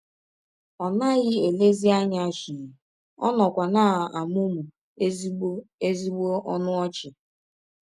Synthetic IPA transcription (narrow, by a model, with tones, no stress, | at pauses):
ɔ˨na˦ɣɪ˦e˨le˦zi˦a˦ɲa˦ʃi˨i˨ | ɔ̰˦nɔ˨kʷa˨na˦˨a˨mʊ˦mu˨ | e˦ze˦zi˦ɡ͡bo˦ʔɔ˦nʊ˦ɔ˦t͡ʃɪ˨